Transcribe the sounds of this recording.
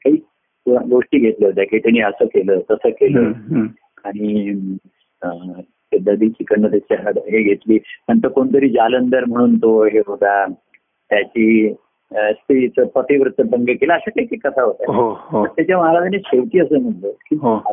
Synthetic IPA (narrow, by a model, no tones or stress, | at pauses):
kaɦiː | ɡoʂʈiːɡʱet̪lət̪aket̪aɽ̃iəsəːkeləːt̪əsəːkeləː | aɽ̃i | ə | pɛd̪ʱːad̪iːt͡ɕikəɳːət̪at͡ɕaɦəɽɦeɡʱet̪liːməɳt̪əɾkoɳt̪əɾiːd͡ʑalənd̪əɾm̤əɽ̃uːnt̪oɦeɦod̪a | t̪jat͡ɕiː | st̪ʰiit͡səpət̪iʋɾut̪ːəbəŋɡəkeləːɕakaɦikekːət̪ʰaɦot̪aɦoɦ̪əɾt̪jat͡ɕjaməɦaɾad͡ʑaneɕeʋt̪iːəsəːm̤əʈləkiɦo